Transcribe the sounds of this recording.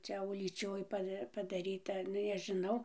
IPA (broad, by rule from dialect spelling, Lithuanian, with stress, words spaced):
ˈt͡ʃʲɛ ʊlʲiːˈt͡ʃʲoːj ˈpɐ pɐdɐˈrʲiːtɐ ˈnʊ nʲɛʒʲɪˈnɐʊ